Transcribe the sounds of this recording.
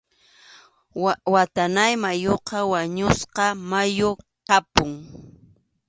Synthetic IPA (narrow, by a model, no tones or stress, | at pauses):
wat̪anajmajoqɑwaɲʊsqɑmajo | qɑpʊŋ